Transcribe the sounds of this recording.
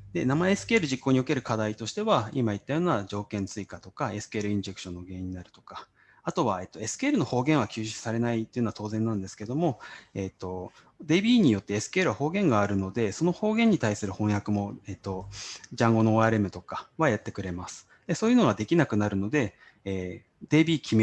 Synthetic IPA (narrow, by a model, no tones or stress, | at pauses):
d̪̥e̞namaeesɨ̥keɾɯ̟ʑikːo̞ːɲ̟io̞ke̞ɾɯ̟kad̪ait̪o̞ɕi̥t̪e̞βaimait̪ːajo̞ːnad͡ʑo̞ːkẽ̞nt͡sɨikat̪o̞kae̞sɨ̥keɾɯ̟ĩɲ̟d͡ʑe̞kɯ̥ɕõ̞nːo̞ɡe̞ːiɲ̟ːinaɾɯ̟t̪oka | at̪o̞βae̞t̪ːo̞e̞sɨ̥keɾɯno̞ho̞ːɡẽ̞ɰ̃β̞akʲɨːɕi̥saɾe̞nait̪ːojɯ̟nat̪o̞ːzẽnːãnd̪e̞sɨ̥ke̞d̪o̞mo̞et̪ːo̞ | d̪e̞ːbʲiːɲ̟ijo̞t̪ːe̞ːsɨ̥keːɾɯ̟βaho̞ːɡẽ̞ŋɡaːɾɯ̟no̞d̪e̞so̞no̞ho̞ːɡẽ̞ɲ̟ːit̪aisɨɾɯ̟hõ̞ɰ̃jakɯ̟mo̞et̪ːo̞d͡ʑãŋɡo̞noːaɾe̞mɯ̟t̪o̞kaβajat̪ːe̞kɯ̟ɾe̞masɨ̥ | d̪̥e̞so̞ːjɯ̟no̞ɡad̪e̞kʲinakɯ̟naɾɯ̟no̞d̪e̞ː | d̪e̞ːbʲiːkʲime